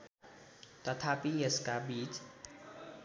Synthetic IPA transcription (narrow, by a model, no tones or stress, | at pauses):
t̪at̪ʰapieskabit͡ʃ